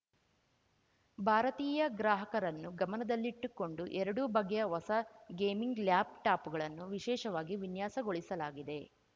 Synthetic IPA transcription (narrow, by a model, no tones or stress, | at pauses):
bʱaːɾɐt̪iːjɐɡɾaːɦɐkɐɾɐnːuɡɐmɐnɐd̪ɐlːiːʈːukːo̞ɳɖuʔɛɾɐɽubɐɡejɐʋɐsɐɡeːmiŋɡljaːb̚ʈaːpuɡɐɭɐnːuʋiʃɛːʃɐʋaːɡiʋinjaːsɐɡo̞ɭisɐlaːɡid̪e̞